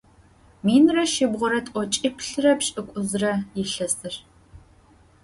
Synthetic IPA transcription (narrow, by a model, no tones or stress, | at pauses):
miːnrɐʃɪbʁʷʊɾɐtʼʔʼʷɔt͡ʃʼipʰɬɨrɐpɕʼɨkʷʼʊzrɐjɪɬɐsɨr